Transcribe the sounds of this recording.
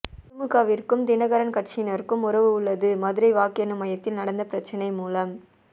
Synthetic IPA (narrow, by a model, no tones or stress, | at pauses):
ɾʊmɯɣaːʋɪrkɯmd̪ɪnɐɣɐɾɐnkɐʈ̚t͡ʃɪnɐɾkɯmʊɾɐʋɯʊɭːɐðɯmɐðɯɾɐɪʋaːkɪjɐnɯmɐjɐt̪ːɪlnɐɽɐnd̪ɐpɪɾɐt͡ʃːɐnɐɪmuːlɐm